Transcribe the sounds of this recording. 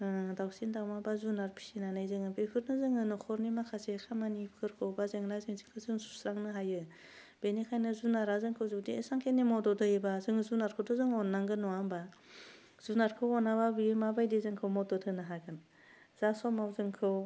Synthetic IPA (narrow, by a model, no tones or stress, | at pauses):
dawsindawmabazunaɾpʰi̥sinanajzɯŋɯbepʰɯɾnɯzɯŋɯnɯkʰɔɾnimakʰasekʰamanipʰkʰɯɾkʰɯwbazɯŋnazɯŋzikʰɯwzɯŋsu̥sɾaŋnɯɦajɯ | b̥enikʰajnɯzunaɾazɯŋkʰɯwzɯwdiesaŋkʰenimɔdɔdɯjibazɯŋɯzunaɾkʰɯwdɔzɯŋɔnːaŋɡɯnɔamba | z̥unaɾkʰɯwɔnababiɯmabajdizɯŋkʰɯwmɔdɔtʰɯnaɦaɡɯn | z̥asɔmawzɯŋkʰɯw